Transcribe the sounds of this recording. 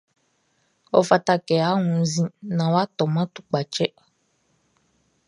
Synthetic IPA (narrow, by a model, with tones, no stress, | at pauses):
ɔ̰˦fa˨ta˦kɛ˨a˨˦ŋũ˨˦zĩ˦nã˨wa˦t̪ɔ˨mã˦t̪u̥˨k͡pa˨t͡ʃɛ˦